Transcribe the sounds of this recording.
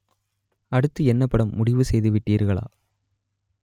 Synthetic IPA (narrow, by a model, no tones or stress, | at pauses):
ɐɽɯt̪ːɯɛnːɐpːɐɽɐmːʊɽɪʋɯsɛjðɯʋɪʈːiːɾɣɐɭa̰ː